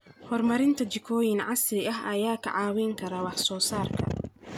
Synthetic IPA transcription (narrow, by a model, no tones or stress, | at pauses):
hɔrmɐɾɪnt̪ʰɐt͡ʃɪkʰɔːjɪnʕɑsɪɐɦɐjaːkʰɐ̰ʕɑːwɛŋkʰɐɾɐwɑħsɔːsaːrkʰɐ̰